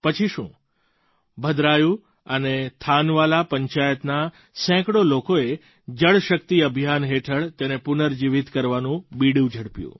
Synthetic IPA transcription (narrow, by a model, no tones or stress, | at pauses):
pət͡ʃʰiʃṵ̃ | bʱəd̪ɾajũ | ənet̪ʰanʋalapəɲt͡ʃajət̪na | sɛ̃kɽolokoe | d͡ʒəɭʃək̚t̪iəbʱjanɦeʈʰəɭt̪enepʊnəɾd͡ʒiʋit̪kəɾʋanũbiɽjũd͡ʒʱəɽpjṵ̃